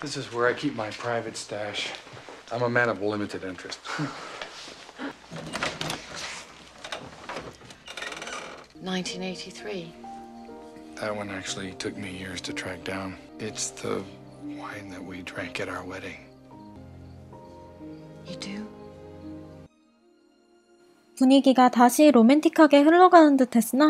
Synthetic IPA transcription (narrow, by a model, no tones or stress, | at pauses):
ðɪsɨzwə˞aɪkʰip̚maɪpʰɹ̥aɪvɨtstæʃʔãɪ̃məmæ̃ñʌvlɪ̃mɨɾɨɾɪ̃nt͡ʃɹ̥ɨst | nãɪ̃ntʰĩneɪtʰiθɹi | ðɨt̚wʌ̃næk̚t͡ʃul̩ˠitʰʊk̚mijɪɹz̥tʰɨtʰɹ̥æk̚d̥ãʊ̃n | ɪtsðə̰ | wãɪ̃nðɨʔ̚widɹæ̃ŋkɨɾaʊə˞wɛɾɪ̃ŋ | jɨdɨ | puɲiɡiɡataɕʰiɾomentʰikʰaɡe̞hɯɭːʌɡanɯndɯtʰe̞s͈ɯna